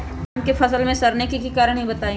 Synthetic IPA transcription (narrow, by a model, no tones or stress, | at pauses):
nkefɐsəlmẽsɐɾnẽkikikaːɾəɽ̃ɦĩbɐt̪aːĩ